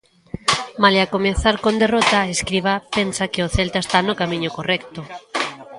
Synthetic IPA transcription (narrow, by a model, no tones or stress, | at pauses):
maleakomeθaɾkond̪erot̪aeskɾiβapensakɪoθelt̪aest̪anʊkamĩɲʊkorɛkt̪ʊ